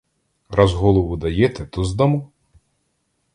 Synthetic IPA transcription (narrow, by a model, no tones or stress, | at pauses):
ɾazɦɔlˠɔʋʊd̪ɐjɛt̪ɛt̪ɔzd̪ɐmu